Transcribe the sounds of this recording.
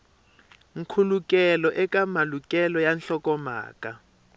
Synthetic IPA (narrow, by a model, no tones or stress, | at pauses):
ŋ̩kʰulukʼɛlɔʔɛkamalukʼɛlɔjanɬɔkɔma̰ːka